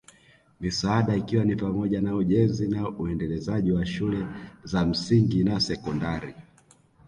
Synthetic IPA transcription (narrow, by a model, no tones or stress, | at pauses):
misaaɗaikiwanipamɔʄanauʄɛnzinauɛndɛlɛzaʄiwaʃulɛzam̩siŋɡinasɛkɔndaɾi